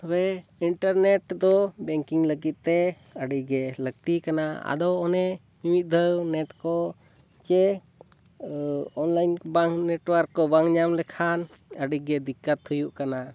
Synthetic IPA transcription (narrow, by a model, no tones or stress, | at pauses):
abɛiɳʈaɾnɛʈd̪ɔbɛŋkiŋləɡit̪̚ˀt̪ɛ | əɖiɡɛləɡ̚t̪ikanaa̰d̪ɔɔnɛ | mimit̪̚d̪ʱəwnɛʈkɔ | t͡ʃɛ | ɔnlajnbaŋnɛʈwəɾkːɔbaŋɲamlɛkʰan | əɖiɡɛd̪ikːət̪hujuʔkana